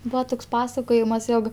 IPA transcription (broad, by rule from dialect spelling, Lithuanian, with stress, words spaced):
ˈbuːɐ ˈtoːks ˈpɑːsɐkoːjɪmɐs ˈjoːk